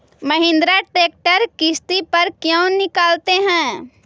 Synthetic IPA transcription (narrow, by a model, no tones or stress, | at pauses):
məɦɪ̃nd̪ɾaʈeːk̚ʈəɾkɪst̪ipɐɾkjõːnɪkaːlt̪eɦɛ̃ː